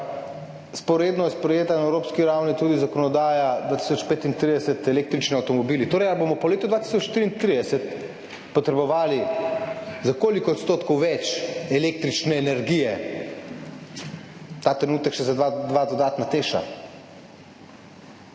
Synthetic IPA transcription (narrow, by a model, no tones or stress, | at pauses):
spɔɾeːd̪nɔjɛspɾɛjeːt̪anaɛwɾoːpskiɾawnit̪uːd̪izakɔnɔd̪aːjad̪ʋaːt̪i̥sɔt͡ʃpeːt̪int̪ɾid̪ɛsɛt̪ɛleːk̚t̪ɾit͡ʃniawt̪ɔmɔbiːlit̪oːɾɛjabomɔpɔleːt̪ɔd̪vʋat̪i̥sɔt͡ʃʃt̪iːɾint̪ɾid̪ɛsɛt̪ | pɔt̪ɾɛbɔʋaːli | zakoːlikɔːt̪st̪oːt̪kɔwʋɛt͡ʃɛleːk̚t̪ɾit͡ʃnɛːnɛɾɡijɛ | t̪aːt̪ɾɛnuːt̪ɛkʃɛzaad̪ʋad̪ɔd̪aːt̪nat̪eːʃa̰